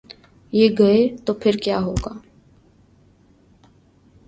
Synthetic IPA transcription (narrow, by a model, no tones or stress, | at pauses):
jeːɡɐet̪oːpʰɪɾkjaːɦoːɡaː